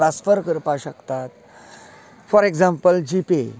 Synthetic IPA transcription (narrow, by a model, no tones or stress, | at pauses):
ɾasfəɾkəɾpaɕəkt̪at̪̚ | fɔɾeɡd͡zãmpəld͡ʑipḛ